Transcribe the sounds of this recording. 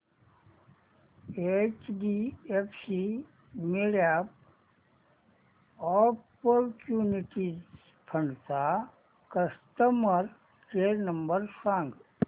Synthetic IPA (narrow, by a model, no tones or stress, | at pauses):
et͡ʃɖiepʰsi | meɖaːp̚ | ɔːpɔɾt͡ʃuːniʈi | pʰəɳt̪a | kəst̪əməɾ | kenə̃mbəɾsãːŋɡ